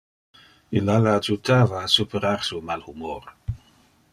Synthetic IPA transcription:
ilalaad͡ʒut̪aːvaːsupeɾaɾsumalhumoɾ

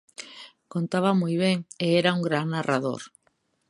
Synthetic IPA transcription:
kont̪aβamujβ̞ɛŋeɛɾauŋɡɾaŋnarʔaðo̰ɾ

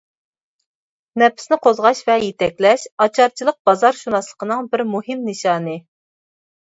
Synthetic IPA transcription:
nɛpɪ̥snɪqʰozʁɑʃvɛjet̪ʰɛkʲlɛʃɑt͡ʃʰɑɾt͡ʃʰilˠəq̚bɑzɑɾʃunɑslˠə̥qʰənɨŋbɪɾmuɦɪmnɨʃɑːnɨ

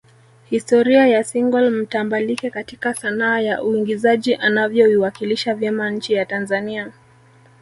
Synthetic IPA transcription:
histɔɾiajasiŋɡɔlm̩tambalikɛkatikaθanaːjaʔuiŋɡizaʄiʔanavjɔiwakiliʃavjɛmaɲ̩t͡ʃijatanzania

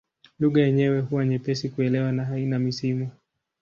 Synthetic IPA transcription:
luɠajɛɲɛwɛhuwaɲɛpɛsikuɛlɛwanaɦainamisimu

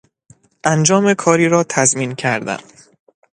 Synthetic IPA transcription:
ʔænd͡ʒɒːmekʰɒːɾiːɾɒːt̪ʰæzmiːncʰæɾd̪æ̰m

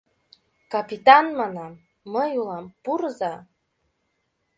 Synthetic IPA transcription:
kapit̪ɑnmɑnɑmː | əjulˠɑmpuɾɤzɑ

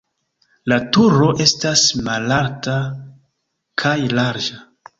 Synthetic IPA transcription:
latuɾo̞ʔe̞stasmalaɾta | kʰajlaɾd͡ʒa

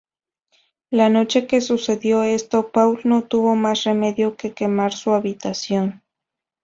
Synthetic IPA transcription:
lano̞t͡ʃe̞ke̞suse̞ðjo̞e̞st̪o̞pawlno̞t̪uβo̞masre̞me̞ðjo̞ke̞ke̞maɾsuaβit̪asjo̞n

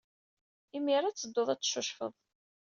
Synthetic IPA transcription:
imiɾat͡sːəd̪ːoðˤæt͡sːʃʊʃfə̰ðˤ

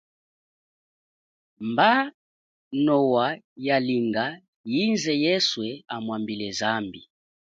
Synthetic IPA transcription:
mba | nɔwa | jaliŋɡa | jinzɛjɛswɛamwambilɛzambi

